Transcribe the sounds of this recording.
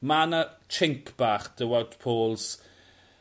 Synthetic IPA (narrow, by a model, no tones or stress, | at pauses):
manat͡ʃʰɪŋkʰb̥aːχd̥əwawtpʰoːlˠs